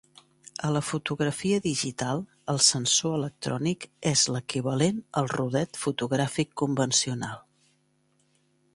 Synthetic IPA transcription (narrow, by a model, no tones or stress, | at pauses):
ələfut̪uɣɾəfiəðiʒit̪alˠ | əlˠsənsoələk̚t̪ɾɔnikɛzləkiβəlenəlˠruð̞ɛt̪fut̪uɣɾafikːumbənsiunalˠ